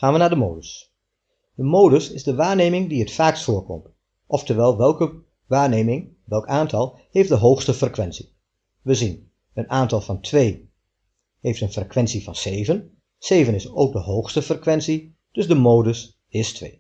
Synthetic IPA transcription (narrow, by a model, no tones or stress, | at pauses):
χaːnʋənaːdəmowdəs | d̥əmowdəsɪzdəʋaːɹneːmɪŋdiətfaːkstfʊːɹkɔ̰mt | ʔɔftəɹʋɛlˠʋɛlˠkə | ʋaːɹneːmɪŋ | ʋɛlˠkaːntʰɑlˠ | hejft̚dəɦowxstəfrekʋɛnsi | ʋəzin | ənaːntɑlˠvɑntʰʋej | hejftənfrekʋɛnsivɑnsejvən | seːvənɪsowk̚dəɦowxstəfrəkʋɛnsi | d̥ɵzdəmowdəs | ɪstʋḛː